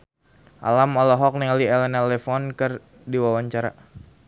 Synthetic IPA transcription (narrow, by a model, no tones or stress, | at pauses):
ʔa̰lamɔlɔɦɔk̚niŋaliɛlɛnalɛfɔnkɨr | diwawaɲt͡ʃaɾa̰